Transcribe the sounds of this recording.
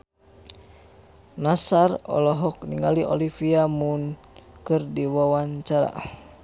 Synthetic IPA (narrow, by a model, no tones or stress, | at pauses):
nasarɔ̰lɔɦɔk̚niŋaliʔɔlifiamun | kɨrdiwawaɲt͡ʃaɾa̰